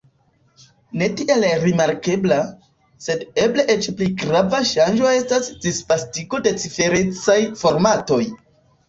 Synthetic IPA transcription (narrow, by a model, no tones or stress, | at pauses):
ne̞tiʔe̞lɾimaɾke̞bla | se̞de̞ble̞ʔet͡ʃpliɡɾavaʃanʒo̞e̞stasd̥ispastiɡo̞de̞t͡sife̞ɾe̞t͡sajfo̞ɾmato̞j